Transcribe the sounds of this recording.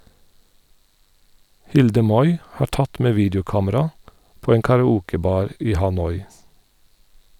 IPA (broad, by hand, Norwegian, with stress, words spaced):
ˈhɪldə ˈmɔʏ ˈhɑː ˈʈɑt ˈmeː ˈʋiːdəʊˌkɑːməɾɑ ˈpoː ˈeːŋ kɑɹɑˈuːkəˌbɑːɹ ˈiː hɑˈnɔʏ